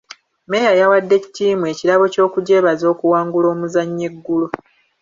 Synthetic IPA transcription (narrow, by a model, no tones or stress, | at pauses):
me̞jajawadːe̞ctːiːmue̞ːcilaβo̞co̞ːkuɟe̞ːβazo̞ːkuwaːŋɡulo̞ːmuzaɲːeɡːulu